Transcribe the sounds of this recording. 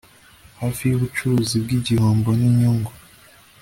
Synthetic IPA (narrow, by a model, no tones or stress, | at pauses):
haːfijuβut͡ʃuɾuzib̚ɡiɟihoːmboniɲoŋɡo